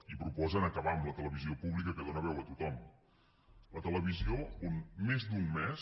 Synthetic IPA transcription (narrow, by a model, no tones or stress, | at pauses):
ipɾupɔzənəkəβaəmlət̪ələβiziopuβlikəkəðonəβ̞ɛwət̪ut̪ɔm | lət̪ələβiziounmezd̪unmɛs